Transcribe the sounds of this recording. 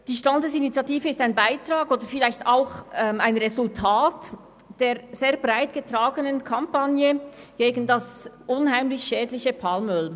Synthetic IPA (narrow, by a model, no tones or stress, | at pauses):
d̥iːʃtandəsinit͡sjɑtiːfəɪstaɪnbaɪtʁaːɡoːdəfɪlaɪçtaʊxɛmaɪnʁɛzʊltʰaːt | d̥eːʁz̥eːʁbʁaɪtɡ̥ətʁ̥aːɡənənkʰampanjəɡ̥eːɡn̩dasʔʊnhaɪmlɪçʃɛːdlɪçəpʰalmʏl